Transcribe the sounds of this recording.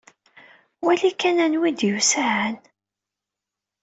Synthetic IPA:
wælikːænænwid̪jusaʕən

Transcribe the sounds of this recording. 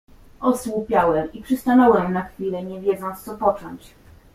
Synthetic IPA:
ʔɔswupʲjawɛmipʂɨst̪anɔwɛmnaxfʲilɛɲɛvʲjɛd̪zɔnt̪st̪sɔpɔt͡ʂɔɲt͡ɕ

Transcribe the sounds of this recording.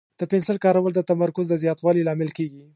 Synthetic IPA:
d̪̥əpɪnsɪlkɑɾawəld̪ət̪amaɾkʊzd̪əzjɑt̪wɑlilɑmɪlkeɡi

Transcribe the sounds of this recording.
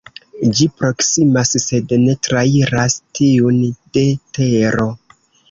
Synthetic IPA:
d͡ʒipɾo̞ksimasse̞dne̞tɾaiɾastiunde̞te̞ɾo̞

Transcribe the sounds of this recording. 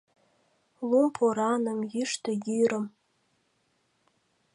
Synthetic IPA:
lumpʰoɾanɨmjiʂtʰajiɾəm

